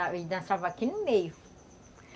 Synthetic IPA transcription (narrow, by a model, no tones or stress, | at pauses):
aid̪ɐ̃savɐaːkinʊmejʊ